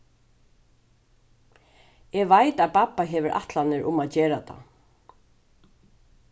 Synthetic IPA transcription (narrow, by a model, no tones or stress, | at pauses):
ɛʋajt̪aðpapːaɦɛːʋʏɾʔa̰ht̪lanɪɾʔʊmaðt͡ɕeːɾat̪ʰa̰